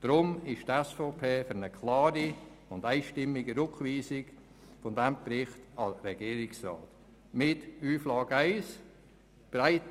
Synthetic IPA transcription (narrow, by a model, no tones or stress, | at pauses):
d̥ɾʊmɪʃtɛsfoːpʰeːfʏɾnəkʰlɑːɾi | ʊndaɪʃtɪmːiɡəɾʊkviːsɪɡ | fɔndɛmpɾɪχtɑɾɛɡiːɾɪksra̰ːt | mɪtyːflɑːɡəaɪs | b̥raɪt